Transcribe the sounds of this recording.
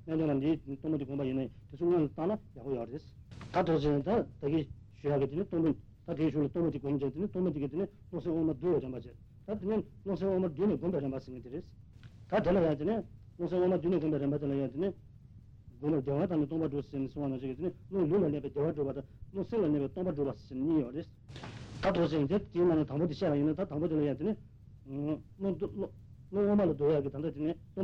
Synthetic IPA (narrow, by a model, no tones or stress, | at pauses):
ɲad͡ʑɑŋladit̪oŋmot̪iɡonpajinajit̪et͡sʰoŋønlat̪ɑlajaʔpojɔʔɾes | t̪aʈ͡ʂot͡ɕit̪at̪aki | ɕujakit̪inet̪oŋpon | t̪ad̪eɕʰulat̪oŋpot̪iɡomt͡ɕet̪enet̪oŋmpot̪ikiene | loʔseŋwomad̪yːlaɾenpat͡ɕe | t̪at̪iɲen | loseŋwomad̪yːneɡopeɾenpaseŋit̪iɾes | t̪at̪elajat̪ene | loŋseŋwomad̪yːneɡopɛːɾepat̪elajat̪ene | ɡompad̪eːwat̪ɑnet̪oŋpaɖ͡ʐost͡ɕenesŋwanɑt͡ɕikieneloŋlyːlaleːpɛd̪eːwaɖ͡ʐopat̪ɑloŋseŋlaleːpɛːt̪oŋpaɖ͡ʐopast͡ɕeneɲiːjores | t̪at̪ot͡ɕet̪et̪imanet̪ɑŋpot̪iɕeːpajinat̪at̪ɑŋpot̪elajat̪ene | lo | loŋomalad̪ojakit̪and̪at̪inet̪o